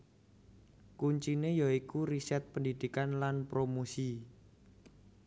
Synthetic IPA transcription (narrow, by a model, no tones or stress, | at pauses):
kuɲt͡ʃinejaikuɾisɛt̪̚pəndid̪̥i̤kanlanpɾomosi